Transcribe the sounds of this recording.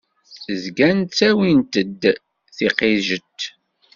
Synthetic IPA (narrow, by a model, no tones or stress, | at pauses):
zɡænt̪t͡sːæwint̪əd̪ː | θiqiʒət̪ː